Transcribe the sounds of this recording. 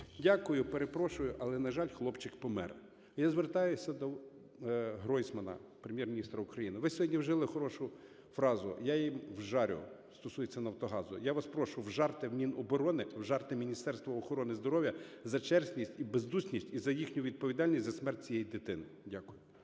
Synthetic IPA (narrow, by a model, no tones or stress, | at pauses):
dʲakʊjʊpeɾepɾɔʃʊjʊʔɐlˠɛnɐʒɑlʲxlˠɔpt͡ʃɪkpɔmɛɾ | jazʋert̪ɑjʊsʲɐd̪ɔ | ɦɾɔjsmɐnɐ̰pɾemʲjɛrmʲinʲist̪ɾɐʊkɾɐjinɪʋɪsʲɔɦɔdʲnʲiwʒɛlˠɪxɔɾɔʃʊ | fɾɑzʊ̰jajimwʒɑɾʲʊ̰st̪ɔsujet͡sʲːɐnɐwt̪ɔɦɑzʊ̰jaʋɐspɾɔʃʊwʒɑrt̪ɪwmʲinɔbɔɾɔnɪwʒɑrt̪ɪmʲinʲist̪ɛrst̪ʋɐɔxɔɾɔnɪzd̪ɔɾɔʋʲjɐzɐt͡ʃɛrsʲnʲisʲtʲibezd̪usnʲisʲtʲizɐjixnʲʊʋʲid̪̚pɔʋʲid̪ɑlʲnʲisʲzɐsmɛrt̚ʲt͡sʲijɛjid̪ɪt̪ɪnɪdʲakʊjʊ